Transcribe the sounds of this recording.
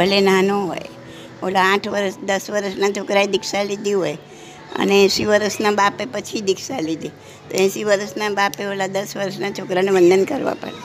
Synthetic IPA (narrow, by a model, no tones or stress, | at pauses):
bʱəlenanoɦo̰j | o̰laãʈʰʋəɾəsd̪əsʋəɾəʃnat͡ʃʰokɾaed̪ikʰsalid̪iɦoj | ə̰neɛ̃siʋəɾəsnabapepət͡ʃʰid̪ɪkʰsalid̪ʱi | t̪o̰ɛ̃siʋəɾəsnabapeolad̪əsʋəɾəsnat͡ʃʰokɾaneʋənd̪ʱənkəɾʋa̰pə̰ɽe